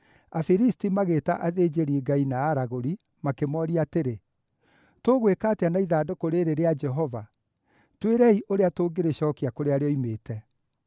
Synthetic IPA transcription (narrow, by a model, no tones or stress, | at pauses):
afiɾistimaɣeta̰ʔaðed͡ʒeɾiɡainaːɾaɣoɾi | makemɔɾiateɾe | toɣwekateanaiðaːdokoɾeɾeɾead͡ʒɛɦɔva | tweɾɛiʔoɾeatoːɡeɾeɕɔːkiakoɾeaɾeɔimeːtʰɛ